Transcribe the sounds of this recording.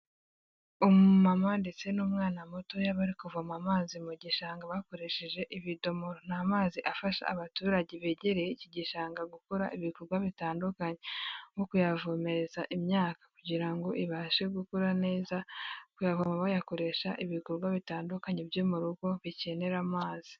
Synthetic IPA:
omumamandet͡se̞nuːmŋaːnamoto̞jaβaɾikuvomamaːzimuɟiʃaːŋɡaβako̞ɾe̞ʃeʒe̞ʔiβido̞moɾon̥amaːziʔafaʃa̰aβatuːɾaɟeβeɟeɾejeciɟiʃaːŋɡaɡukoɾa̰ʔiβikoɾɡwaβitaːndukaɲewokujavome̞ɾe̞zaʔimɲaːkḁkuɟiɾaŋɡo̞ʔiβaːʃe̞ɡukoɾane̞ːzakujavomaβajako̞ɾe̞ːʃaʔiβikoɾɡwaβitaːndukaɲebjo̞muɾuɡo̞βice̞ne̞ɾamaːzi

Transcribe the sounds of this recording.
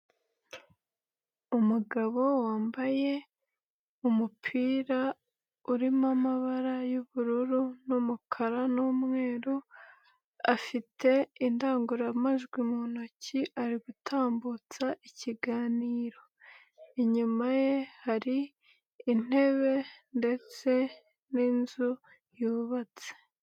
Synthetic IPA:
umuɡaβo̞waːmbaje̞ | umupʰiːɾa | uɾimamaβaɾajuβuɾuɾunumukʰaɾanuːmŋe̞ːɾu | afitʰe̞indaːŋɡuɾamaʒɡwimunociʔaɾiɡutʰaːmbut͡saʔiciɡaːniːɾo̞ | iɲumaje̞haɾiː | n̥e̞βe̞nde̞t͡se̞ | ninzu | juːβat͡se̥

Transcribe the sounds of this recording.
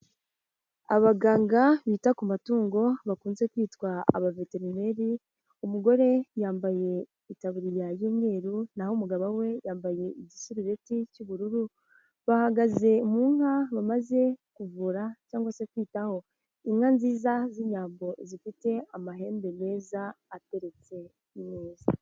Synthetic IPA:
a̰βaɡaːŋɡaβiːtakumatuːŋɡo̞βakuːnze̞kwiːtwaa̰βave̞te̞ɾime̞ɾi | umuɡo̞ɾe̞jaːmbaje̞ | itaβuɾijajuːmŋe̞ːɾunahomuɡaβawe̞jaːmbaje̞iɟisuɾiɾe̞ticuβuɾuɾu | βahaɡaze̞muːŋhaβamaze̞kuvuɾacaːŋɡwasekwiːtaho̞ | imŋanziːzaziɲaːmbo̞zifite̞amaɦe̞ːmbe̞ne̞ːzaːte̞ɾe̞t͡se̞ | imweːzi

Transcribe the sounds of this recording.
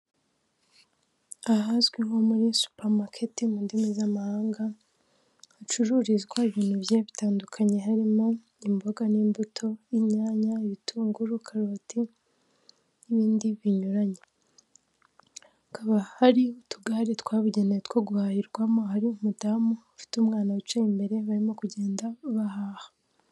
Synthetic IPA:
aɦazɡwiɦo̞muɾisu̥paɾmakʰetimundimizamahaːŋɡaː | t͡ʃuɾuːɾizɡwaiβiːn̥huβjaβitaːndukʰaɲe̞ɦaɾimo̞ | imbo̞ɡaniːmbutʰo̞imɲaːɲaiβitʰuːŋɡuɾukʰaɾotʰi | niβiːndiβiɲuɾaɲe | kaβahaɾiutuɡaɾitkwaːβuɟe̞netkwoɡuhaːhiɾɡwamo̞haɾiumudaːmuafi̥tumŋaːnawit͡ʃeimbe̞ɾe̞βaɾimo̞kuɟe̞ːndaβahaːhḁ

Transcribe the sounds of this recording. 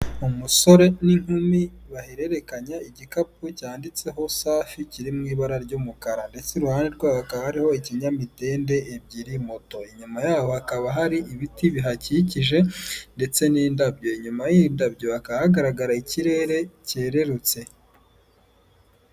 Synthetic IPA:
umuso̞ɾe̞niŋ̥humiβaheɾe̞ɾe̞kaɲaiɟikap̚ucaːndit͡se̞ɦo̞saːficiɾimŋiːβaɾaɾɟuːmukaɾande̞t͡seɾuhaːneɾɡwaːakaβahaɾiho̞iciɲamite̞ːnde̞ʔːbɟiɾimoto̞iɲumajaːβo̞hakaβaɦaɾiʔiβitiβiɦaciciʒe̞nde̞t͡se̞nindabɟo̞iɲumajindabɟo̞akaahaɡaɾaɡaɾaiciɾe̞ɾe̞ce̞ːɾe̞ɾut͡se̞

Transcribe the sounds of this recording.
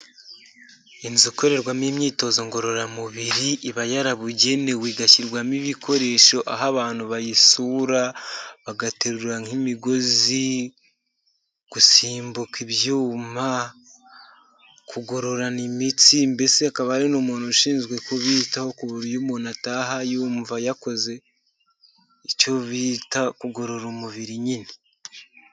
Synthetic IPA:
inzuko̞ɾe̞ɾɡwamimɲiːto̞ːzoŋɡo̞ɾo̞ɾamuβiɾiʔiβajaɾaβuɟe̞ne̞wiːɡaciɾɡwamiβikʰo̞ɾe̞ːʃo̞ʔaɦaβaːn̥huβajisuɾaβaɡateɾuɾaŋimiɡo̞zi | ɡ̥usiːmbukiβjuːma | kʰuɡo̞ɾo̞ɾanimitimbe̞seakaβaɾinumuːnoʃiːnzɡwe̞koβitaho̞kuβuɾijumonataːɦajuːɱvajako̞ze̞ | it͡ʃo̞βitakuɡo̞ɾo̞ɾomuβiɾiɲini

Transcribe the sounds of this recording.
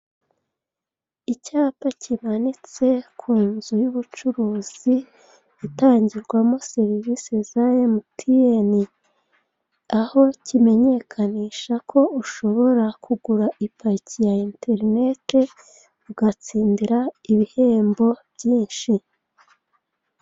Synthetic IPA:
icaːpacʰimanit͡se̞kʰuːnzujuβut͡ʃuɾuːz̥iː | taːɲɟiɾɡwamo̞se̞ɾivisezajemutʰijeni | aho̞cime̞ɲe̞kʰaniːʃakʰo̞uʃo̞βo̞ɾakuɡuɾaʔipacijainte̞ɾine̞te̞ | uɡat͡siːndiɾaiβihe̞ːmbo̞bɟiːnʃi

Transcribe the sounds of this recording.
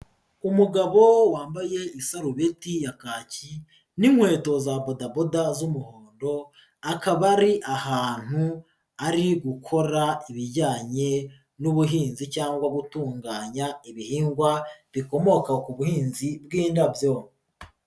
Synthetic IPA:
umuɡaβo̞waːmbaje̞isaɾuβe̞tijakaːci | nimwe̞ːto̞zabodabodazumuhoːndo̞ | akaβaɾiʔahaːn̥hu | aɾiɡukʰo̞ɾaiβiɾɟaːɲe̞ | nuβuɦiːnzicaːŋɡwaɡutuːŋɡaːɲaiβihiːŋɡwaβiko̞mo̞kakuβuhiːnzibɡiːndabjo

